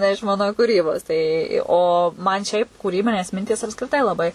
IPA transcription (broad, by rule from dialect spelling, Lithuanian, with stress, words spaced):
nʲɛ ɪʃ ˈmɐn kuːˈrʲiːboːs ˈtɐɪ oː mɐn ˈʃʲɛɪp kuːˈrʲiːbʲɪnʲeːs ˈmʲɪnʲtʲiːs ɐpskrʲɪˈtɐɪ lˠɐˈbɐɪ